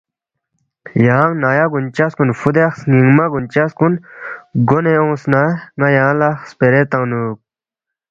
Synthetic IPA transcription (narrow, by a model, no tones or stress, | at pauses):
jaːŋnaːjaɡunt͡ɕaskunfud̪exsŋiŋmaɡunt͡ɕaskunɡoneõːsnaŋajaːlaxspeɾet̪ãnuk̚